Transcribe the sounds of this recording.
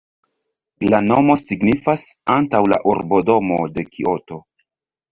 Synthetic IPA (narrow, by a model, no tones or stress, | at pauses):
lano̞mo̞siɡnifasantawla̰ʔuɾbo̞do̞mo̞̰de̞kʰiʔoto̞